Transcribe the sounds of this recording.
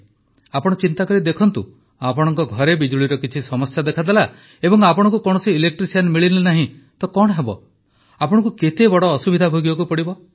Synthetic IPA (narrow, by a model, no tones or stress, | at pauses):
apɔɽ̃ɔt͡ʃint̪akɔɾid̪ekʰɔnt̪ṵ | apɔɽ̃ɔŋkɔɡʱɔɾebid͡ʒuɭiɾɔkit͡ʃʰisɔmɔsjad̪ekʰad̪ela | ebɔŋapɔɽ̃ɔŋkukɔɽ̃ɔsiːlek̚ʈɾisianmiɭilenaɦĩ | t̪ɔkɔɽ̃ɔɦebɔ̰ | apɔɽ̃ɔ̃ŋkuket̪ebɔɽɔːsubid̪ʱabʱoɡibɔkupɔɽibɔ